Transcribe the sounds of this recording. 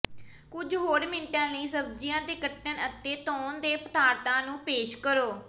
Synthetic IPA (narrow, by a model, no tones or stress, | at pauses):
kʊd͡ʒɦoːɾmɪɳʈãːləiːsəb̚d͡ʒɪjãːd̪eːkəʈːənət̪ːeːt̪ɔːnd̪eːpət̪aːɾt̪ãːnũːpeːʃkəɾoː